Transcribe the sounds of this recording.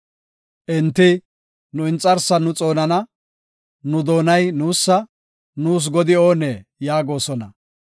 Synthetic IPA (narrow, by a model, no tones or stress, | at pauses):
ʔɪnt̪ːɪ | nʊɪnt͡sʼːɐɾsːɐnʊt͡sʼo̞ːnɐnɐ | nʊd̪o̞ːnɐjnuːsːɐ | nuːs̬ɡɔd̪ɪoːneːjaːɡo̞ːsɔnɐ